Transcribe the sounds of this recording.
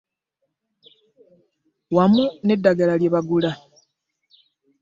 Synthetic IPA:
wamune̞dːaɡalaljeβaɡula

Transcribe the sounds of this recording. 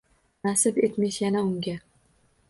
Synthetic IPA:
nasɪpet̪meʃjanaʊŋɡʲa

